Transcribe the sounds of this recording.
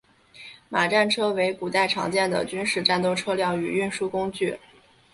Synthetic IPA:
ma˨˩ʈ͡ʂa˥˩nʈ͡ʂʰɤ˥we˧˥ɪku˨˩t̪a˥˩ɪʈ͡ʂʰɑ̰˧˥ŋt͡ɕjɛ˥˩nd̪ə̰˩t͡ɕy˥nʂɻ̩˥˧ʈ͡ʂa˥˧nt̪̬o˥˧ʊʈ͡ʂʰɤ˥ljɑ˥˩ʊy˨˩y˥˩nʂu˥kʊ˥ŋt͡ɕy˥˩

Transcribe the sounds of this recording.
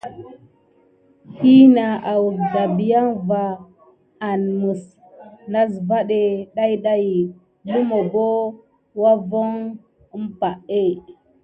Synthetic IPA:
hi˦na˨a˨wu˨za˨bi˨ja˦ŋvaː˨ | nmu˨s | na˦zva˦ɗe˨ɗa˦jɗa˦ji˨ | lu˦mo˨bo˦ | wa˦vo˦ŋ˦ | mpa˨ʔe˦˨

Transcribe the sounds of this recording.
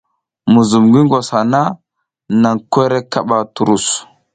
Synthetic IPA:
mu˨zu˨mɡi˦ŋɡo˨sha˨na˦ | na˨ŋkʷe˦ɾe˦ka˦ɓa˦tu˨ɾu˦˨s

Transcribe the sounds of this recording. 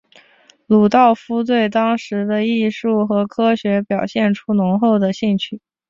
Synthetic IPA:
lu˨˩t̪ɑ˥˩ʊfu˥t̪̬we˥˩ɪt̪ɑ˥ŋʂɻ̩˧˥d̪ə˧i˥˧ʂu˥˩xɤ˧˥kʰɤ˥ɕɥɛ˧˥pjɑ˨˩ʊɕjɛ˥˩nʈ͡ʂʰu˥nʊ˧˥ŋxo˥˩ʊd̪ə˩ɕi˥˧ŋt͡ɕʰy˥˩

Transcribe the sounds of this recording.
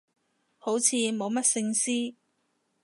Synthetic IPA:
ho˨˥wt͡sʰiː˨˧mo˨˧wmɐ˥t̚sɪ˧ŋsiː˥

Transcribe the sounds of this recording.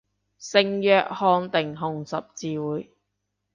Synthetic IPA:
sɪ˨ŋjœː˨˧k̚hɔː˧nt̪ɪ˨˩ŋɦʊ˨ŋsɐ˨p̚t͡siː˨˧wuː˨˥j

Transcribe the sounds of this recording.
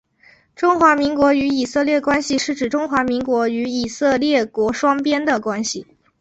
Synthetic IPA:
ʈ͡ʂʊ˥ŋxwa˧˥mi˧˥ŋkwɔ˧˥y˧˥i˨˩sɤ˥˧ljɛ˥˩kwa˥nɕi˨ʂɻ̩˥˩ʈ͡ʂɻ̩˨˩ʈ͡ʂʊ˥ŋxwa˧˥mi˧˥ŋkwɔ˧˥y˧˥i˨˩sɤ˥˧ljɛ˥˩kwɔ˧˥ʂwɑ˥ŋpjɛ˥nd̪ə˨kwa˥nɕi˨˩

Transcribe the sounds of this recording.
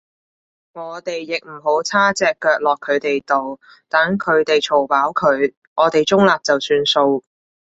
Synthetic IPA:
ŋɔː˨˧t̪e˨jːɪ˨k̚m̩˨˩ɦo˨˥wt͡sʰaː˥t͡sɛː˨˧kːœː˨˧k̚lɔː˨kʰːɵ˨˧ɥt̪e˨jt̪o˨w | t̪aː˨˥nkʰɵ˨˧ɥt̪e˨jt͡sʰo˨˩wpaː˨˥wkʰɵ˨˧˥ɥ | ŋɔː˨˧˥t̪e˨jt͡sʊ˥ŋlaː˨p̚t͡sɐ˨wsyː˧nso˧w

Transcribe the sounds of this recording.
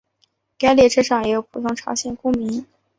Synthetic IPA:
ka˥ɪli˥˩ʈ͡ʂʰɤ˥ʈ͡ʂʰɑ˨˩ŋjɛ˧˥jo˧˩pʰu˨˩t̪ʰʊ˥ŋʈ͡ʂʰɑ˧˥ɕjɛ˨˩nkʊ˥ŋmi˧˥n

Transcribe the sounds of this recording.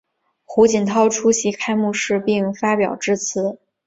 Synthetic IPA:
xu˧˥t͡ɕi˨˩nt̪ʰɑ˥ʊʈ͡ʂʰu˥ɕi˧˥kʰa˥ɪmu˥˧ʂɻ̩˥˧pi˥˩ŋfa˥pjɑ˨˩ʊʈ͡ʂɻ̩˥t͡sʰɹ̩˧˥

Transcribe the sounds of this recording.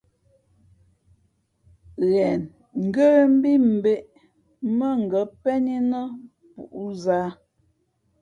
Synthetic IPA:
ɣɛ˨n | ŋ̩˨ɡə˦ɾm̩˦bi˦m̩˨be˦ʔ | mə˦ŋ̩˨ɡə˨˦pɛ˦ni˦nə˦ | pṵ˨ʔu˦zaː˦

